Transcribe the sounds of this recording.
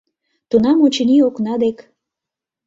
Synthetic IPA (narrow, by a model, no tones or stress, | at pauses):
t̪unɑmot͡ɕənioknɑd̪ek